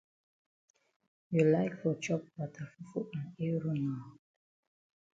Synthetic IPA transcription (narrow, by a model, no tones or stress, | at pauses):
julaɪkfɔt͡ʃɔp̚watʰafufuãneɹunã